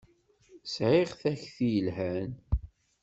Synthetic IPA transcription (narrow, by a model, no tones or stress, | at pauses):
sʕɪʁθæçθjəlhæn